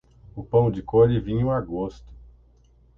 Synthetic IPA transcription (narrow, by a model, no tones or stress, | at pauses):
ʊpɐ̃w̃d͡ʒɪkoʎɪvĩɲʊaɡost̪ʊ̥